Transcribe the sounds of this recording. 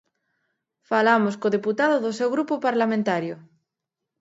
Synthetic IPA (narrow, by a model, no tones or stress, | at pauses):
falamoskoðeput̪aðoðosewɣɾupopaɾlamẽnt̪aɾjo